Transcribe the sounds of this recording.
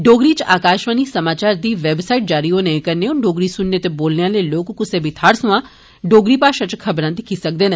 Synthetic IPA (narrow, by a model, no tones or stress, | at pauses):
ɖoːɡɾiːt͡ʃaːkaːʃʋaːniːsəmaːt͡ʃaːɾd̪iːʋeːbsaːiʈ̚d͡ʒaːɾiːɦoːnəĩːkəɾneːʊ̃ɖoːɡɾiːsʊnːeːt̪eːboːlneãːləiloːkːʊseːbʱit̪ʰaːɽsʊãː | ɖoːɡɾiːpaːʃãːt͡ʃkʰəbɾãːd̪ɪkʰiːsək̚d̪eːne